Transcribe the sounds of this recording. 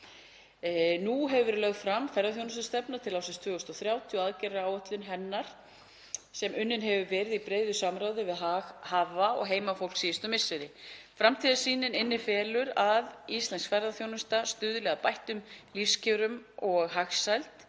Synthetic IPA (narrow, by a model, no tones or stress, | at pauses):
nuɦɛvvʏɾlœɣt̪fɾamfɛɾðaθjownʏst̪ast̪ɛpnat̪ʰɪlaːwsɪnst̪ʰvʏːɣʏst̪ɔθɾjaːwt̪ʰjɔaðcɛɾaaːwɔt̪lʏnɦɛnːaɾ̥ | sɛmʏnːɪnɦɛvʏvɛːɾɪðipɾeːjðʏsamɾaːwðɪvɪðɦahaːvaɔ̰ɣɦeːjmafowl̥ksiːɪst̪ʏmɪsɪɾɪfɾamt̪ʰiðasiːnɪnɪnːɪfɛːlʏɾaðist̪lɛnsfɛɾðaθjownʏst̪ast̪ʏðʏlɛɣapajht̪ʏmlifscɪɾʏmɔɣɦaxsajlt̪